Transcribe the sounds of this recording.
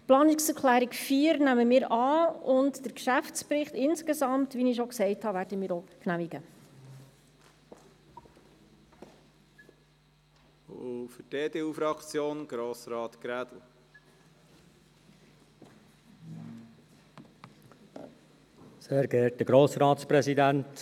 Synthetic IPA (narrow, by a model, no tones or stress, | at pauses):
plɑːnɪksəɾkʰlæːɾikfiːəɾnæməmɪːɾɑːʊndd̥əɾkʃæft͡spɾɪχtɪnskesɑmtʋinɪʃɔksɛɪthɑʋæɾdəmɪːɾoknæmiɡə | ofəd̥eːdeːufɾɑkt͡sjoːnɡ̥ɾoːsɾɑːt̪kɾæd̥̪lə | seːɾɡɛɾtdəɡɾoːsɾɑːt̪spɾɛsidænt